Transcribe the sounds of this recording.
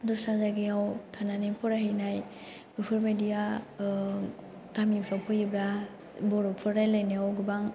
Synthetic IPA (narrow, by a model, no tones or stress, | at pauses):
dɔsazaɡiawtʰananipʰɔɾaɦejnaj | bɯpʰɯɾmedija | ɡamipʰɾawpʰɯjibɾa | bɔɾupʰɯɾajlajneawɡɯbaŋ